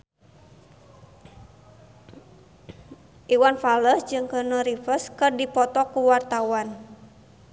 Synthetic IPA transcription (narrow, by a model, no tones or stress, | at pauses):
ʔiwanfaləsd͡ʒɨŋkənəɾifəskɨrdipɔt̪ɔkuwart̪awan